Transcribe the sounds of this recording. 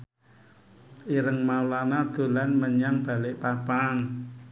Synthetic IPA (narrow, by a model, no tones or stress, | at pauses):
ʔiɾəŋmaulanad̪̥o̤lanməɲaŋb̥a̤lɪʔpapaŋ